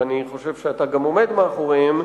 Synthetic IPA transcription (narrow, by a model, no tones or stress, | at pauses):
aniχo̞ʃe̞vʃeat̪aɡamo̞me̞d̪meːχoʁim